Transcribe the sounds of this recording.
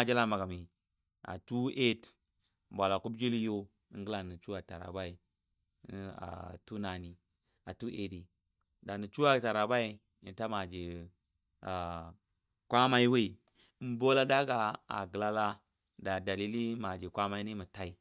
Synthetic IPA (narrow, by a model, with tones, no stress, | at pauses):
d͡ʒa˦la˦ma˨ɡa˨mi˨ | a̰˨tu˦e˦t | bʷa˨la˨ku˦bd͡ʒi˦li˦jo˦ | ŋ˦ɡə˦la˨nə˨t͡ʃu˦wa˨ta˨ɾa̰˨ba˦i˨˦ | a̰˨tu˦na˨ni˨ | a˨tu˦ʔe˨di˨ | da˨nə˨t͡ʃu˦a˦˨ta˨ɾa˨ba˦i˨ | i˨˦ta˦ma˨d͡ʒe˨ | a˨ | kʷa˦ma˦i˦we˦i˨˦ | bo˦la˦da˦ɡa˨a̰˨ɡə˨la˦la˦ | da˨da˨li˦li˦ma˨d͡ʒi˨kʷa˦ma˦i˦ni˦mu˨ta˦i˨